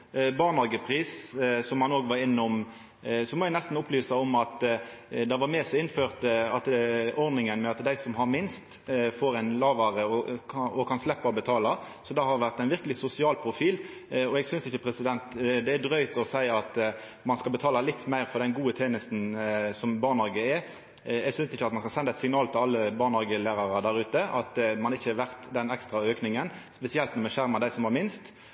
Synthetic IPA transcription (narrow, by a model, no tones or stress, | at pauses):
bɑːʁnɑɡəpʰʁiːssɔmhɑnoːɡʋɑɾɪnːʊm | sɔmɔæɪnɛst̪n̩ʊplyːsɑɔmɑt̪d̪ɑʋɑɾmeːsɛɪnføːʁt̪əɑt̪ɔʁd̪nɪŋənmɛɑt̪d̪æɪsɔmɦɑʁmɪnst̪ | foːɾæɪnlɑːʋɑʁəɔkʰɑɔkʰɑnslɛpːɑɔbət̪ʰɑːlɑ | sɔd̪ɑhɑɾdʋæʁt̪æɪnʋɪʁkəlɪsʊsɪɑːlpʰʁʊfiːl | ɔɛːɡsʏnsɪçːəpʰɾɛsɪd̪ɛnt̪d̪ɛæd̪ʁœʏt̪ɔsæɪɑt̪ | mɑnskɑbət̪ʰɑːlɑlɪt̪ːmæɪʁfɔʁd̪ɛnɡuːət̪ʰeːnəst̪n̩sɔmbɑːʁnhɑɾɡəɛ | ɛɡsʏnsɪçːəɑt̪mɑnskɑsɛnd̪ɑɛt̪sɪŋnɑːlt̪ʰɪlɑlːəbɑːʁnhɑɾɡəlæːɾɑʁɑd̪æɾʉːt̪əʔɑt̪mɑnɪçːəɑʋæʁt̪d̪ɛnɛkst̪ʁɑøːknɪŋənspɛsɪɛlt̪nɔmɛʃæʁmɑd̪æɪsɔmhɑɾmɪnst̪